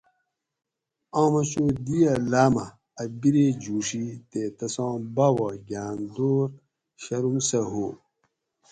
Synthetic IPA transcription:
ãːmɐɕoːd̪ijɐlaːmɐː | biɾed͡ʑuːʂit̪et̪ɐsãːbawaɡaːnd̪oːɾ | ɕɐɾumsɐɦo

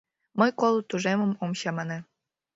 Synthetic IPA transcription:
mɤjkolˠut̪uʒemə̆momɕɑmɑne

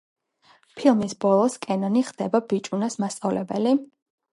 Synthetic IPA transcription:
pʰilˠmisbɔlˠɔskʼɛnɔniχd̪̥ɛbabit͡ʃʼunasmast̪sʼavlɛbɛli

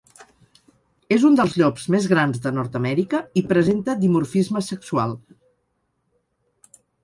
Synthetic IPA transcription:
ezund̪əlˠzʎɔpzmezɣɾanzðənɔɾt̪əmɛɾikəipɾəzent̪əd̪imurfizməsəksua̰lˠ

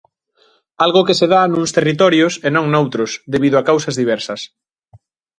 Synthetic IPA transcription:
alɣʊkeseðanũŋst̪erit̪̬ɔɾjʊsenõŋnowt̪ɾʊsðeβiðʊakawsɐzðiβ̞ɛɾsɐs

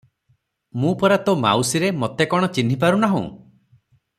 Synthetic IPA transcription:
mũpɔɾat̪oma̰wsiɾemɔt̪ekɔɽ̃ɔt͡ʃin̤ip̬aɾunaɦṵ̃

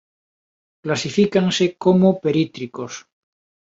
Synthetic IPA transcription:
klasifikansekomopeɾit̪ɾikos

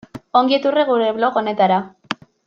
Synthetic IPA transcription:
o̞ŋɡiet̪ureɣuɾe̞βlo̞ko̞ne̞t̪aɾa

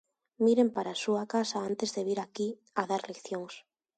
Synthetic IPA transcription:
miɾempaɾasuakasaant̪e̞zðeβ̞iɾaki | aðaɾlekθjoŋs

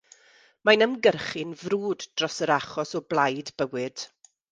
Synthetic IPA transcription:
majnəmɡərχɨnvruːdd̥rɔsəɾaχɔsɔblˠajdbəwɨd̥

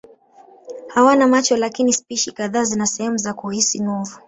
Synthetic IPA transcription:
hawanamat͡ʃɔlakinispiʃikaðaːzinasɛhɛmuzakuhisinɔvu

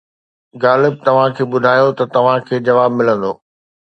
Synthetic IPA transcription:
ɡaːlɪb̚t̪ɐʋ̤ãkʰeːɓʊd̪ʱaːjot̪ɐt̪ɐʋ̤ãkʰeːd͡ʑɐʋaːbmɪlə̃nd̪oː

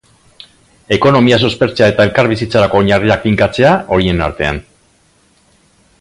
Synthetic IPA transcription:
e̞ko̞no̞mias̬o̞spe̞ɾt͡seae̞t̪ae̞lkaɾβ̞isit͡saɾako̞ːɲariak̚fiŋkat͡se̞aʔo̞ɾie̞na̰ɾt̪e̞a̰n

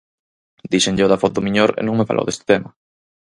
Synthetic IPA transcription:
d̪iʃenʎoðafot̪umiɲoɾḛnũŋmefa̰lo̰wðest̪e̥t̪ema

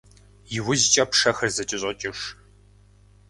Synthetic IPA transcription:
jɪwʊzt͡ʃʼɐpʰʂɐxɐrzɐtʼɪɕʼɐt͡ʃʼɪʂ

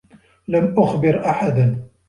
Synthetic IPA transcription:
lamʔʊxbɪɾʔaħad̪n

